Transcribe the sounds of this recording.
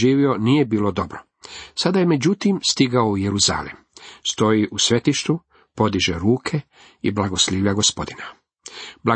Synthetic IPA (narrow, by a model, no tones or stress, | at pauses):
iːʋio̞nije̞biːlo̞d̪o̞bɾo | sad̪ajeme̞d͡ʑut̪imst̪iɡaoujeɾuza̰ːlḭm | st̪o̞jiʔusʋe̞t̪iʃt̪u | po̞d̪iʒeɾuːkʰe | iblˠaɡosliːʋʎʲaɡospo̞d̪ina | blˠa